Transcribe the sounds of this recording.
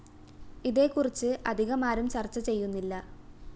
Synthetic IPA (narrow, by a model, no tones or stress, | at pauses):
iðe̞ːkːurit͡ɕːɨɐd̪ʱiɣɐmaːɾumt͡ɕɐrt͡ɕːɐt͡ɕe̞jːunːilːɐ